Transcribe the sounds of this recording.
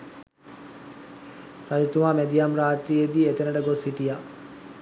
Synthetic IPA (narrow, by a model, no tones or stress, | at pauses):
ɾad͡ʒut̪umaːmed̪ijamɾaːt̪ɾijed̪iːet̪enəʈəɡosiʈija